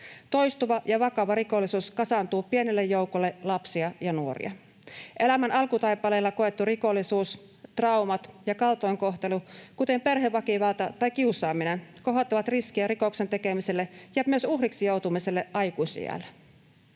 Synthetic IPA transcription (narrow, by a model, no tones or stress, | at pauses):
t̪o̞jst̪uʋɑjɑʋɑkɑʋɑɾiko̞lːˑisuːskɑsɑnt̪uːpie̞nelːejːoukolːelɑpsiɑjɑnuorḭɑ̰ | ʔe̞læmænɑlkut̪ɑjpːˑɑleːlːɑkoe̞t̪ːuriko̞lːisuːs | t̪rɑumɑt̪jɑkɑlt̪ojŋko̞ht̪e̞lukut̪e̞mpe̞rɦeʋːɑkiʋɑlt̪ɑt̪ɑjkiusˑɑːminenko̞ɦot̪ːɑʋɑt̪riskiæɾikokse̞nt̪ekemiselːejæpmyøsuhriksijo̞wt̪umiselːeʔɑjkuisḭjæ̰lː